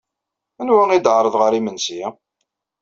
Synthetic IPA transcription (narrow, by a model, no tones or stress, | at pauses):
ænwæŋid̪ʕɾˤəðˤʁəɾimənsi